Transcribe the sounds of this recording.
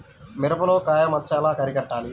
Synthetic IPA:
mɪɾɐpɐloːkaːjɐmɐt͡ʃːaːlaːkɐɾikɐʈːaːli

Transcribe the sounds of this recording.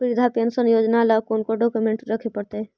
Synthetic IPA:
pɾid̪ʱapensənjoːd͡ʒnalakoːnkoɖoːkumẽɳʈɾəkʰepəɽt̪e

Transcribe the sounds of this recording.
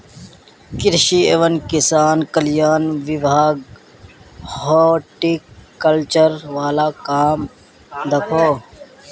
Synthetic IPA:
kɪɾʃieʋənkɪsaːnkəljaːnʋɪbʱaːɡ | hoːʈikɐlt͡ʃəɾʋaːlaːkaːm | d̪ɐkʰoː

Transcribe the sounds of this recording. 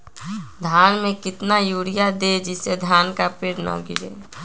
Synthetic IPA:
d̪ʱaːnmẽkɪt̪najuːɽijad̪ed͡ʒɪsed̪ʱaːnkapeːɾnɔ̰ɡɪ̰ɾḛː

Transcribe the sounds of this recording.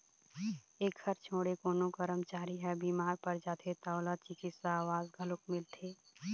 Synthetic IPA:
eːkhəɾt͡ʃʰoːɽekoːnokəɾəmt͡ʃaːɾiɦɛbiːmaːɾpɐɾd͡ʒaːt̪ʰet̪aːʊlaːt̪̚t͡ʃɪkisaːʋaːzɡʱəlʊkmɪlt̪ʰeː

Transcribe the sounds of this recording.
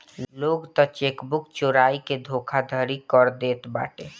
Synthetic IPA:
loːɡt̪ɔt͡ʃeːkbʊkt͡ʃoːɾaːiked̪ʱoːkʰad̪ʱəɾikɔɾd̪eːt̪ba̰ːʈeː

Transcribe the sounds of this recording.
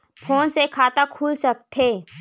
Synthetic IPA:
pʰoːnsekʰaːt̪akʰuːlsɐk̚t̪ʰeː

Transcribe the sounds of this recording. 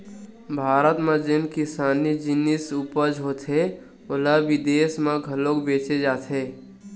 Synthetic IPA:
bʱaːɾət̪mẽd͡ʒɪnkɪsaːnid͡ʒɪnɪsupəd͡ʒɦot̪ʰɦe | olabid̪eːsmãɡʱəlokbeːt͡ʃed͡ʒaːt̪ʰɦeː

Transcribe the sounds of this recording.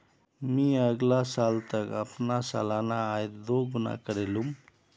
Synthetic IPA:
mĩəɡlasalt̪əkəpnasa̰lanaːjd̪oɡuna̰kəɾelum

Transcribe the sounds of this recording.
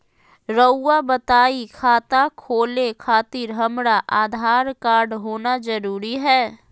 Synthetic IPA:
ɾəʊːabət̪aːikʰaːt̪akʰoːlekʰaːt̪ɪɾɦəmɾaʔaːd̪ʱaːɾkaːɾɖɦoːnazəɾuːɾiɦɛː

